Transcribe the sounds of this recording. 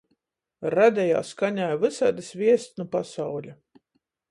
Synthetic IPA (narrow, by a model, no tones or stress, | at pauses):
ɾad̪ʲɛja̰ːskaɲaːjvɨsad̪ɨsvʲiɛst̪nupasawlʲa